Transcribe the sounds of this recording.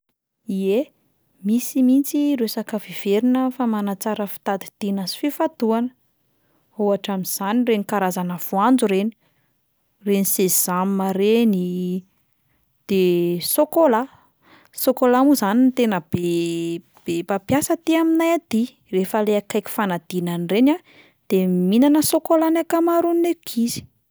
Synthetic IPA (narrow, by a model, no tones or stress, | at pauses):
ie | misimint͡siɾesakəviv̥eɾinəfamanat͡saɾəfi̥t̪ad̪i̥t̪inazi̥fifad̪uanə | owaʈ͡ʂamiz̥anirenikaɾazanəv̥uand͡zuɾeni | renisezzammaɾeni | d̪̥esokola | sokolamuzanint̪enəbe | b̥epapjasət̪iaminajad̪i | refəleakajki̥fanad̪̥inanirena | d̪̥eminanəsokolanakamaɾunnekʰizi̥